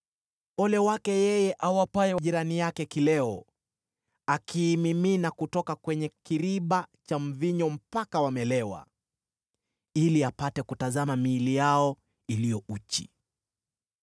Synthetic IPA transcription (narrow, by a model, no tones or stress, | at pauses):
ɔlɛwakɛjɛjɛʔawapaɛwaʄiɾanijakɛkilɛɔ | akʰiːmiminakutɔkakwɛɲɛkiɾiɓat͡ʃam̩viɲɔm̩pakawamɛlɛwa̰ | iliapatɛkutazamamiːlijaɔ | ilijɔut͡ʃḭ